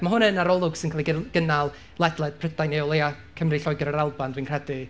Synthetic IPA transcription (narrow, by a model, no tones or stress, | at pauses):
maɦʊnənaɾɔlˠʊɡ̥sɪnkʰalˠiɡ̥ənalˠ | lˠɛdlˠɛd̥̚pʰrədajneɔlˠea | kʰəmrɨɬɔjɡɔɾəɾalˠbandwinkr̥ɛdɨ